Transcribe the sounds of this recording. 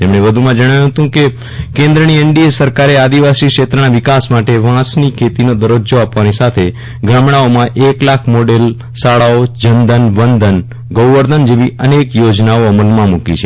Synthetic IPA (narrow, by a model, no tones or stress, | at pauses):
t̪emɳ̃eʋəd̪ʱumãd͡ʒəɽ̃ajũɦət̪ũke | kẽnd̪ɾənieɳɖiesəɾkaɾead̪iʋasikʃet̪ɾənaʋɪkasmaʈeʋãsnikʰet̪inod̪əɾod͡ʒoapʋanisat̪ʰe | ɡɾamɳaomãʔeklakʰmoɖel | saɭaod͡ʒənd̪ənʋənd̪ʱən | ɡəwʋəɾd̪ənd͡ʒeʋiʔənekjod͡ʒnaoəməlmãmukḭt͡ʃʰe